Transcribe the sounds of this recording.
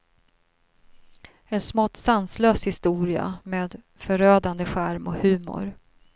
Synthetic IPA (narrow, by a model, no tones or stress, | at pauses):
ɛnsmɔt̪ːsansløːshɪst̪uːɾɪa̰meːd̪ | fœɾøːd̪and̪əɧæɾmɔhʉ̟ːmʊ̰ɾ